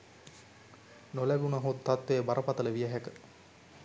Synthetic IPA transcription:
nolæɡunaɦut̪ːat̪ʋejːbaɾʔəpat̪ələʋijəɦækə

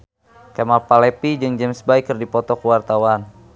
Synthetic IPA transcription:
kamapalɛpid͡ʒɨŋd͡ʒɛmsbaikɨrdipɔt̪ɔkəwart̪awan

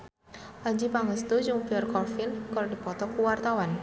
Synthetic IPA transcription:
ʔaɲd͡ʒipaŋəst̪ud͡ʒuŋpiɔrkɔrfinkɔrdipɔt̪ɔkuwart̪awan

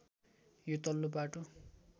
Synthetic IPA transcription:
jot̪ʌlːobaʈo

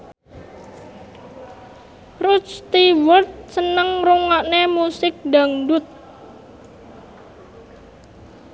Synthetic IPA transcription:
rut͡ʃst̪iwərt̪̚sənəŋruŋaʔnemusɪk̚daŋdut̪̚

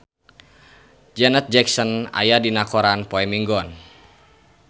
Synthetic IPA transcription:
d͡ʒɛnət̪̚d͡ʒɛksɔna̰jadinakɔɾanpɔɛmiŋɡɔn

